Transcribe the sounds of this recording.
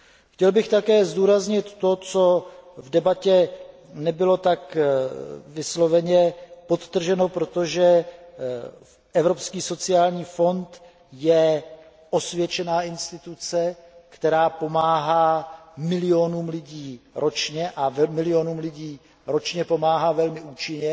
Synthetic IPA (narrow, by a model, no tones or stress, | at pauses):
xcɛlbɪxt̪akɛːzd̪uːɾazɲɪt̪ːo̞t͡so̞vdɛbacɛ | nɛbɪlo̞t̪ak | vɪslo̞vɛɲɛpo̞t̪ːr̩ʒɛno̞pɾot̪o̞ʒɛ | ʔɛvɾo̞pskiːso̞t͡sɪjaːlɲiːfo̞nt̪ | jɛ | ʔo̞svjɛt͡ʃɛnaːʔɪnst̪ɪt̪ut͡sɛkt̪ɛɾaːpo̞maːɦaːmɪlɪjonuːmlɪɟiːɾʔo̞t͡ʃɲɛʔavɛmɪlɪonuːmlɪɟiː | ɾo̞t͡ʃɲɛpo̞maːɦaːvɛlmɪʔuːt͡ʃɪɲɛ